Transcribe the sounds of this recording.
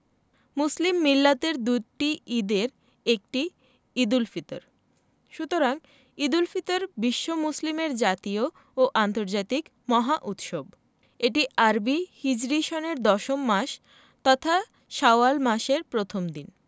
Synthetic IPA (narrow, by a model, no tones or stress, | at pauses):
muslimːilːat̪eɾd̪uʈiid̪eɾ | ek̚ʈi | id̪ulfit̪o̰ɾ | ʃut̪oɾaŋ | id̪ulfit̪oɾbiʃːomuslimeɾd͡ʑat̪io | oʔant̪oɾd͡ʑat̪ik | mɔɦaʔut̪ʃob | eʈiʔaɾbihid͡ʑɾiʃoneɾd̪ɔʃomːaʃ | t̪ɔt̪ʰa | ʃaoalmaʃeɾpɾot̪ʰomd̪in